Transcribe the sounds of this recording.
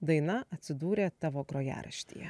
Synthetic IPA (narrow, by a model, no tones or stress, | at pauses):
d̪ɐɪnɐʔɐt̪ʲsʲɪd̪uːɾʲeːt̪ɑːʋoːɡɾoːjæ̰ːɾɐ̰ʃʲt̪ʲḭːjɛ̰